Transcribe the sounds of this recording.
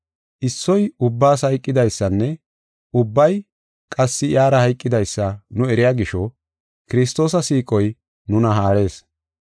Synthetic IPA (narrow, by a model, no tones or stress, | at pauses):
ʔɪsːɔjʊbːaːshɐjkʼːɪd̪ɐjsːɐnːɛ | ʊbːɐj | kʼɐsːɪjaːɾɐhɐjkʼːɪd̪ɐjsːɐnʊɛɾɪjaːɡɪʃɔ | kɪɾɪs̬t̪o̞ːsɐsiːkʼɔj | nʊnɐɦaːɾe̞ːs